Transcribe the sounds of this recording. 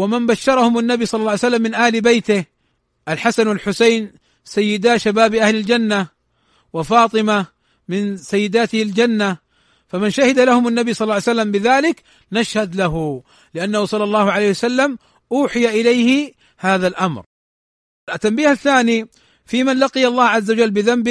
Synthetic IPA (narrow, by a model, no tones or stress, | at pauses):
wamɪnbaʃːɑɾˤɑhʊmanːabisˤɑlːɑlːɑːʕjsalːamːɪnʔaːlbajt̪ɪh | ʔalħasanwalħʊsajn | sajːɪd̪aːʃabaːbʔahlɪld͡ʒanːa | wɪfɑːt̪ˤɨma | mɪnsajːɪd̪aːt̪ɪhald͡ʒanːa | famanʃahɪd̪alahʊmanːabisˤɑlːʕjsalːambɪðaːlɪk | naʃhad̪laɦu | lɪʔanːahusˤɑlːɑlˤːɑːhʊʕalejhɪwasalːam | ʔuːħɪjaʔɪlajhɪ | haːðalʔamɾ | t̪ːambiːhaθːaːni | fiːmanlaqijalˤːɑːhʕazːawad͡ʒalːbɪðambɪ